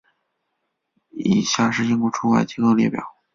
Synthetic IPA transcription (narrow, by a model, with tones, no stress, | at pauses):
i˨˩ɕja˥˩ʂɻ̩˥˩t͡ɕi˥˧ŋkɔ˧˥˩ʈ͡ʂʰu˥wa˥˩ɪt͡ɕi˥ko˥˧ʊljɛ˥˧˩pjɑ̰˨˩˦ʊ